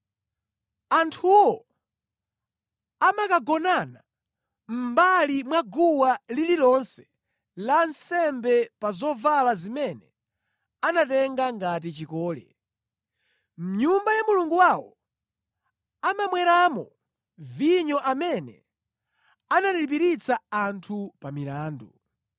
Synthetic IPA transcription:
antʰuwɔ | amakaɡɔnana | m̩balimwaɡuwalililɔnsɛ̥ | lansɛmbɛpazɔvalazimɛnɛ | anatɛŋɡaŋɡat̬it͡ʃikɔːlɛ̰ | m̩ɲumbajamuluŋɡuwawɔ | amamwɛɾamɔ | viɲɔʔamɛnɛ̰ | anatilip̬iɾit͡saantʰupamilaːndu

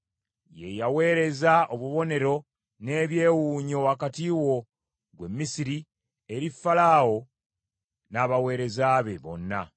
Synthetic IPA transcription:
je̞̰jawe̞ːɾe̞zaoβuβo̞ne̞ɾo̞ | ne̞ːβje̞ːwuːɲo̞wakatiwo̞ | ɡwe̞mːisiɾi | eɾifːalaːwo̞ | naːβawe̞ːɾe̞zaːβe̞βo̞̰nːa̰

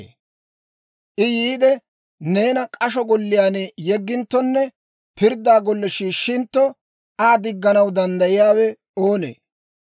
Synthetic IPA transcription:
ʔɪjiːd̪ɛ | ne̞ːnɐkʼɐʃɔɡɔlːɪjaːnjɛɡːɪnt̪ːɔnːɛ | pɪɾd̪ːaːɡɔlːɛʃiːʃːɪnt̪ːɔ | aːd̪ɪɡːɐnɐwd̪ɐnd̪ɐjɪjaːwɛ | o̞ːnḛː

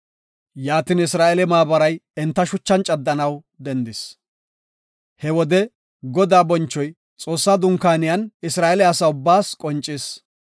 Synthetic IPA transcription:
jaːt̪ɪnɪsɾaːʔɛlɛmaːbɐɾɐjɛnt̪ːɐʃʊt͡ʃːɐnt͡ʃʼɐd̪ːɐnɐw | d̪ɛnd̪ɪs | hɛwɔd̪ɛ | ɡɔd̪aːbɔnt͡ʃːɔj | t͡sʼo̞ːsːaːd̪ʊŋkaːnɪjɐnɪsɾaːʔɛlɛɐsɐʊbːaːskʼɔnt͡ʃʼːɪs

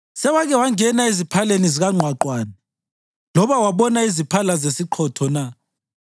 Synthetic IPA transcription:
sɛwaɣɛwaŋɛnaizipʰaleniziɣaŋ͡ǃʱwaǃwaːni | lɔβawaβɔnaizipʰalazesiǃʰɔtʰɔna

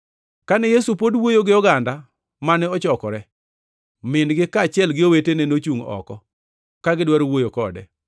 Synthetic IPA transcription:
kanɛjesupodwojoɡɪɔɡanda | manɛɔt͡ʃɔkɔɾɛ | mɪndɡɪkat͡ʃɪɛlɡɪowetenenot͡ʃuŋɔ̰kɔ | kaɡɪdwɛɾowojokɔdɛ̰

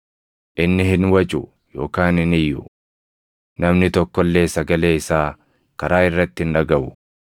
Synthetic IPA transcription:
ʔɪnːɪhɪnwɐt͡ʃʼʊ | jo̞ːkaːnɪnɪjːʊ | nɐmnɪt̪ɔkːɔlːe̞ːsɐɡɐle̞ːɪsaː | kɐɾaːɪrːɐt̪ːɪɪnᶑɐɡɐbʊ

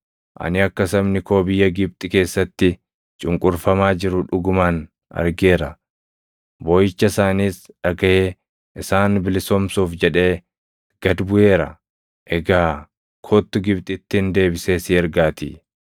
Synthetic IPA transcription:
ʔɐ̰nɪɐkːɐsɐmnɪkoːbɪjːɐɡɪb̚t̪ʼɪke̞ːsːɐt̪ːɪ | t͡ʃʼʊŋkʼʊɾfɐmaːd͡ʒɪɾʊᶑʊɡʊmaːn | ɐ̰ɾɡe̞ːɾɐ | bojɪt͡ʃːɐsaːniːsᶑɐɡɐjeː | ʔɪsaːnbɪlɪsɔmsuːfd͡ʒɛᶑe̞ː | ɡ̥ɐd̪bʊje̞ːɾɐ̰ | ʔɛɡaː | kʰot̪ːʊɡɪbt̪ʼɪt̪ːɪnd̪e̞ːbɪse̞ːsɪɛɾɡaːt̪ḭː

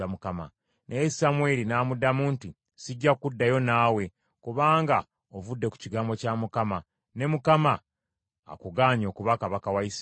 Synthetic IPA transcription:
amukama̰ | nʔesamwe̞linaːmudːamuːnti | siɟːakudːajo̞naːwe̞ | kuβaːŋɡa | ovudːe̞ku̥ciɡaːmbo̞camukama | ne̞mukama̰ː | kuɡaːɲo̞ːkuβakaβakawais

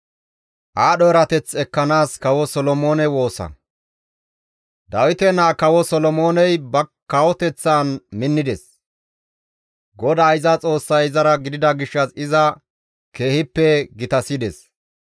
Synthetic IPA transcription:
ʔaːɗɔɛɾɐt̪ɛt͡sːɛkːɐnaːskɐwɔsɔlɔmo̞ːnɛwo̞ːsɐ̰ | d̪ɐwɪt̪ɛnaːkɐwɔsɔlɔmo̞ːnɛjbɐkɐwɔt̪ɛt͡sːaːnmɪnːɪd̪ɛs | ɡɔd̪aːjzɐt͡sʼo̞ːsːɐjɪzɐɾɐɡɪd̪ɪd̪ɐɡɪʃːɐsɪzɐ | ke̞ːhɪpːɛɡɪt̪ɐsɪd̪ɛs

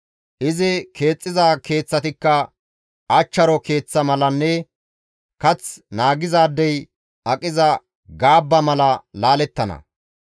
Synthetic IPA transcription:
ʔɪzɪke̞ːt͡sʼːɪzaːke̞ːt͡sːɐt̪ɪkːɐ | ɐt͡ʃːɐɾɔke̞ːt͡sːɐmɐlɐnːɛ | kɐt͡snaːɡɪzaːd̪ːɛj | ɐkʼɪzɐ | ɡaːbːɐmɐlɐlaːlɛt̪ːɐnɐ̰

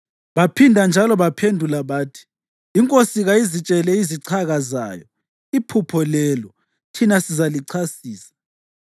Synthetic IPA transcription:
βapʰindʱand͡ʒʱalɔβapʰendʱulaβaːtʰi̥ː | ŋkʼosiɣaizit͡ʃʼɛlɛiziǀʰaɣaza̰ːjɔ | ipʰupʰɔlɛːlɔ | tʰinasizaliǀʰasiːsḁ

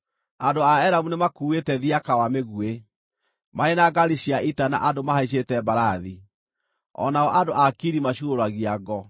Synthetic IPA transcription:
adoaɛɾamunemakuːwetɛðiakawameɣue | maenaɡaɾiʃiaʔitana̰ʔadomahaiɕ̬etɛbaɾaði | ɔ̰naɔʔadoʔakiɾimaɕuoɾwaɣiaɡɔ

